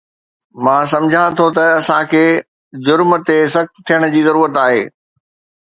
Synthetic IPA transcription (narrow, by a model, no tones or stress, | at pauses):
mãːs̬ɐ̃md͡ʑʱãt̪ʰot̪ɐɐsãkʰeː | d͡ʑʊɾmə̆t̪es̬ɐxt̪t̪ʰːijəɽ̃ʊd͡ʑiːzɐɾuːɾət̪aːɦḛː